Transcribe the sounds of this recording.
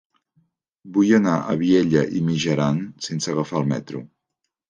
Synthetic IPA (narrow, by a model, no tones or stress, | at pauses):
bujənaʔəβieʎəʔimiʒəɾansensəɣəfaəlˠmɛ̰t̪ɾṵ